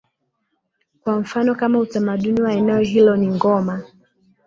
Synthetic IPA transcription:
kwaɱ̩fanɔkamautamaɗuniwaɛnɛɔɦilɔniŋɡɔma

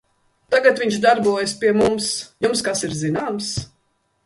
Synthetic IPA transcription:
t̪aɡat̪viɲʃd̪aɾbuɔjaspiɛmumsjumskasiɾzinaːms

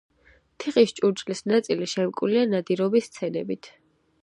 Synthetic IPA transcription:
t̪ʰiχʼist͡ʃʼuɾt͡ʃʼlisnat̪sʼiliʃɛmkʼwlianad̪iɾɔbist̪sʰɛnɛ̰bit̪ʰ

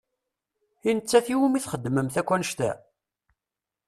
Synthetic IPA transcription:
inət͡sːæθiwumiθχəd̪ːməmθækʷːænəʃt̪æ̰

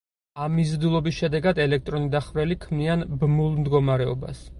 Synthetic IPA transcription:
amːizɾd̪ilˠɔbisʃɛd̪ɛɡad̪ɛlɛk̚ʰt̪ʼɾɔnid̪aχvɾɛlikʰmnianbmulˠmd̪ɡɔmaɾɛɔba̰s

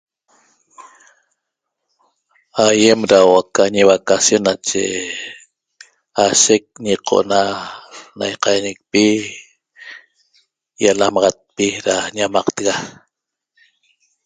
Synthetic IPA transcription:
ajemɾawakaɲiβakasjonːat͡ʃḛ | aʃek̚ɲiqʰo̰ʔna | najqɑjnek̚pi | jalamɑʁɑt̪̚piɾaɲamɑqt̪əɣa

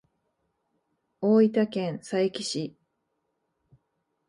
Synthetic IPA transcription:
oːit̪akẽ̞ɰ̃saekʲi̥ɕi

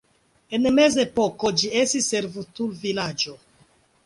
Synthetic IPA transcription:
enme̞zepoko̞d͡ʒiestisːeɾvutulvilad͡ʒo

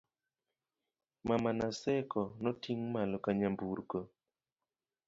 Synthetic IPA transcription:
mamanasɛkɔnɔtiŋmalɔkaɲambuɾɡo

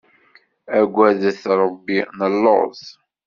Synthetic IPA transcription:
æɡʷːæðθɾˤəbːinəlːo̰ʁθ

